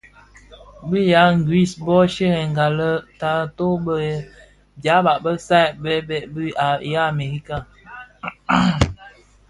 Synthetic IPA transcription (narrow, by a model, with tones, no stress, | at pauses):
bi˦ja˨˦ŋ˨ɡwi˦˨sbɔ˦ʃe˦ɣɛ˨ŋ˨ɡa˨lə˦ta˨to˦bə˦ | bja˨˦ba˨ʔbə˦sa˦˨bɛ˦bɛ˨ʔbi˦a˨ja˦˨me˨ɣi˦ka˦˨